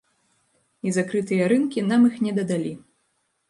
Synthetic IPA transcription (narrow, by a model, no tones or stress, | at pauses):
izakɾɨt̪ɨjɐɾɨnkʲinamixnʲɛd̪ɐd̪alʲi